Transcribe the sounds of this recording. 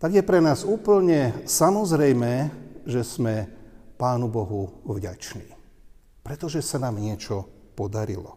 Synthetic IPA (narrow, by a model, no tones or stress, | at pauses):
t̪aɡjɛpɾɛnaːzuːpl̩ɲɛsamɔzɾɛjmɛːʒɛsmɛpaːnubɔɦuvɟa̰t͡ʃnḭː | pɾɛt̪ɔʒɛsanaːmɲɪɛt͡ʃɔpɔd̪aɾḭlɔ